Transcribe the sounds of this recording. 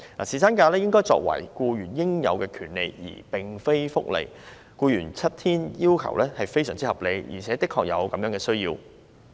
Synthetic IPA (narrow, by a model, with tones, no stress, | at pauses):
na̰ː˨˩siː˨˩saː˥nkaː˧lɛː˥jɪ˥ŋkɔː˥jt͡sɔ̰ː˧˨k̚wɐ̰˨˩jkuː˧jyː˨˩njɪ˥ŋjɐ˨˧wkɛː˧kʰyː˨˩nle˨jḭː˨˩pɪ˨ŋfe˥jfʊ˥k̚lḛ˨˩j | kuː˧jyː˨˩nt͡sʰɐ˥t̚t̪ʰiː˥njiː˥wkʰɐ̰˨˩wlɛː˥hɐ˨jfe˥jsœː˨˩ŋt͡siː˥hɐ˨˩p̚le˨˧jjḭ˨˩t͡sʰɛː˨˥t̪ɪ˥kʰːɔː˨˧k̚jɐ˨˧wkɐ˨˧mjœː˨˧˥ŋkɛː˧sɵ˥ɥjiː˧w